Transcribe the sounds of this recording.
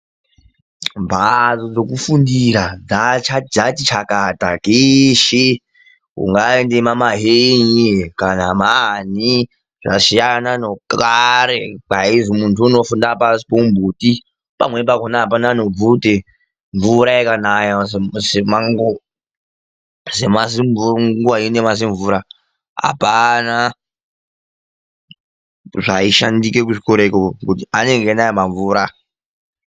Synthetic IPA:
ɱbʱad͡zod͡zokufundiɾad͡zat͡ʃad͡ʒatit͡ʃʰakatakiʃi | kṵŋɡaendemamaɦeɲikanamani | ʐ̥a̰ʃijananokaɾek͡paizimuntʰuːno̞fundapasi̥pombʱuti | pa̰mwe̞pakonaɦapanaːno̞b͡vudʱe | ɱvuɾajakanajasemaŋɡo | zemasiɱuɡoainemas̬iɱvuɾa | ɦa̰pana | ʐaiʃandike̞k̬uʐikoɾekokutiane̞ŋɡenajamaɱvuːɾa

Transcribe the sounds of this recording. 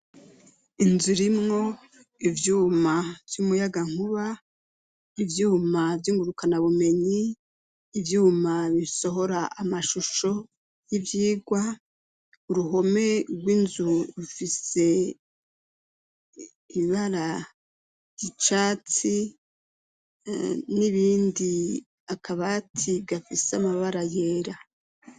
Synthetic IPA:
inzuɾimŋo̞ | ivjuːmav̥jumujaɡaŋ̥huβa | ivjuːmavjiŋɡuɾukanaβume̞ɲiː | vjuːmaβiso̞ɦo̞ɾaamaʃuʃo̞ | jivjiːɡwa | uɾuɦo̞me̞ɡwiːnzuɾufise̞ | iβaɾa | jit͡ʃaːt͡si | niβiːndi | akʰaβatʰiβɡafiseamaβaɾaje̞ːɾa

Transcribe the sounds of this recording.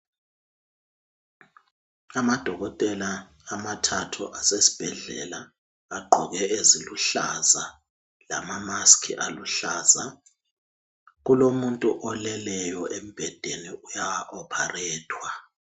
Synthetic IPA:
amad̥ʱɔɣɔtʼɛlaː | matʰatʰṵʔasesi̥b̥ʱɛɮɛ̰la | aɡ͡ǃʱɔɣɛʔeziluɬa̰za | la̰mamaskʰḭʔaluɬaːza | ɣulomuntʼuʔɔlɛlɛjɔʔem̩b̥ʱɛd̥ʱeniujawaʔɔpʰarɛːtʰwa

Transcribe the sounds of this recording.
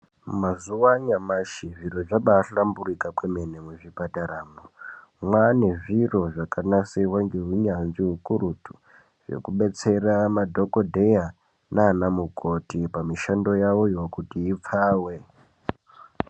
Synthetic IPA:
mazuwaɲamaʃiʐiɾoʐaɓaɬamburikakwemenemweʐipataɾamo | mwaneʐiro̞ʐakanasewaŋɡe̞ɦuɲanʐiɦukuɾutu | ʐḛkuɓe̞t͡se̞ramadʱo̞kodʱe̞ja | naːnamukʰo̞tipamiʃando̞jawo̞jokutiip͡faːwe̞

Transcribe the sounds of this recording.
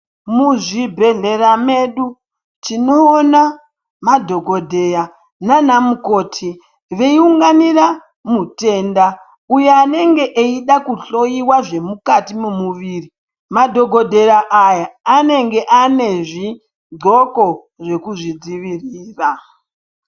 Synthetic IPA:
muʐibʱe̞ɮe̞rame̞ɗu | t͡ʃino̞ːna | madʱo̞ɡʱo̞dʱe̞ja | nanamuko̞ːtʰi | ʋe̞iuŋɡanira | mute̞ːnda | uje̞ane̞ŋɡe̞ʔeiɗakuɬo̞jiwaʐe̞mukatimumuʋiːri | madʱo̞ɡʱo̞dʱe̞ɾaʔajaːne̞ŋɡe̞ʔane̞ʐi | ɡ͡ǀʱo̞ko̞ | ʐe̞kuʐid͡ziʋiriːra

